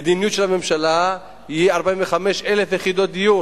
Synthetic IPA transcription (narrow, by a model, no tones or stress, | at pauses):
ed̪inijutʃelame̞mʃala | hiaʁbaĩmveχame̞ʃelefjeχid̪ot̪̚d̪iju